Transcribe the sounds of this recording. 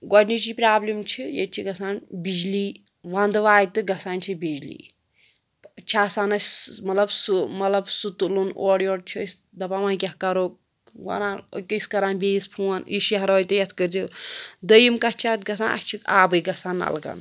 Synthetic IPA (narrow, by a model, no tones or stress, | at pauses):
ɡɔʈnit͡ʃipɾaːblimt͡ʃʰijḛt͡ʃʰiɡɐsaːnbid͡ʒliː | ʋɐnd̪ɨʋaːjt̪ɨɡɐsaːnt͡ʃʰibid͡ʒlḭː | t͡ʃʰaːsaːnɐsʲmɐt̪lɐbsumɐlɐbsut̪ulunoːɽjoːɽt͡ʃʰosʲ | d̪ɐpaʋaːnk̬ʲɐɦkɐɾoːk̚ | ʋɐ̰na̰kɨskɐɾaːnbʲeːispʰuwɐniʃiɦɐɾoːjt̪ɨjɐt̪ʰkəɾd͡ʒid̪əjimkɐt͡ʃʰaːt̪ɡɐsaːnʔɐ̰st͡ʃʰika̰ːbɨjɡɐsaːnɐ̰lɡɐ̰n